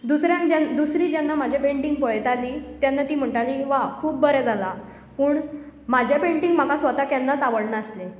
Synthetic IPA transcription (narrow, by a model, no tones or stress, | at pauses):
d̪usɾjãnd͡ʑand̪usɾiːd͡ʑjanːamad͡ʑʱapeɳʈiŋɡpəɭjt̪aliːt̪janːat̪iːm̤əɳʈaliːkiʋakʰuːp̚bəɾɛd͡zʱala | puːɳ | mad͡ʑʱjapeɳʈiŋɡm̤akasʋət̪akjanːat͡saʋəɽɳaəsle